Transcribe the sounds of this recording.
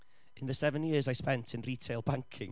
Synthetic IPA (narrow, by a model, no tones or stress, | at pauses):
ɪ̃nðəsɛvə̃njɪəzajspɛ̃ntʰɪ̃nritʰeɪlˠbãŋkʰɪ̰̃ŋ